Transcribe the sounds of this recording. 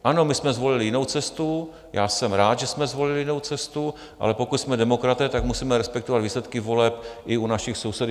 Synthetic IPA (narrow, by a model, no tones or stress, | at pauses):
ʔano̞mɪsmɛzvo̞lɪlɪjɪnowt͡sɛst̪u | jaːsɛmɾaːt̪ʒɛsmɛzvo̞lɪlɪjɪno̞wt͡sɛst̪u | ʔa̰lɛpo̞kut̪smɛdɛmo̞kɾat̪ɛːt̪akmusiːmɛɾɛspɛkt̪ovad̪viːslɛt̪kɪvo̞lɛpʔɪunaʃɪxso̞wsɛd